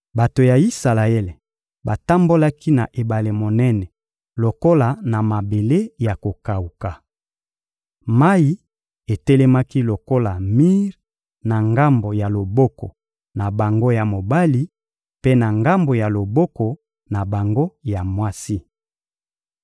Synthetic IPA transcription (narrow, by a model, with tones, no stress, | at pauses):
ba˨to˨ja˨i˦sa˨la˨ɛ˦l | ba˨ta˦mbo˦la˦ki˦na˨ʔe˨ba˨le˨mo˨nɛ˦nɛ˨ | lo˨ko˦la˨na˨ma˨be˨le˦ja˨ko˨ka˨u˨ka˨ | ma˦i˦ | e˨tɛ˦lɛ˦ma˦ki˦lo˨ko˦la˨mi˦ʁ | na˨ŋɡa˦mbo˨ja˨lo˨bɔ˦kɔ̰˨ | na˨ba˨ŋɡo˦ja˨mo˨ba˦li˦ | pe˦na˨ŋɡa˦mbo˨ja˨lo˨bɔ˦kɔ˨ | na˨ba˨ŋɡo˦ja˨mwa˦si˦